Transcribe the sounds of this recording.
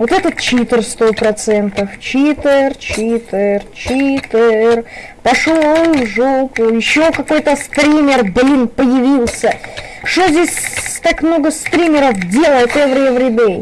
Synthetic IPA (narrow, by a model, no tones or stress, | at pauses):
vot̪ɛt̪ət̪̚t͡ɕit̪ɪrst̪opɾɐt̪sɛnt̪əft͡ɕit̪ɪrt͡ɕit̪ɪrt͡ɕit̪ɪr | pɐʂolˠʐokjɪɕːokɐko̞jt̪əst̪ɾʲimʲɪrblʲinpəjɪvʲilˠsʲə | ʂt̪ozʲdʲesʲt̪akmno̞ɡəst̪ɾʲimʲɪɾəfdʲe̞lˠəjɪt̪ɛvɾʲvɾʲɪd̪ejʲ